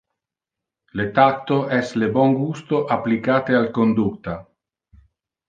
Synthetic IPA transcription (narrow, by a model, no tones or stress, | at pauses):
let̪at̪ːoʔɛslebɔŋɡust̪oʔapːlikaːt̪ealkond̪ut̪a